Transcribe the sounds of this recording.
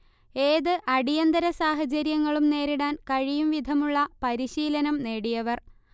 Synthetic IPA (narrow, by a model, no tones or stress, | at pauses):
e̞ːðɨʔɐɽijɐnd̪ɐɾɐsaːɦɐt͡ɕɐɾjɐŋːɐɭumne̞ːɾiɽaːnkɐɻijumʋid̪ʱɐmuɭːɐpɐɾiɕiːlɐnɐmne̞ːɽijɐʋɐr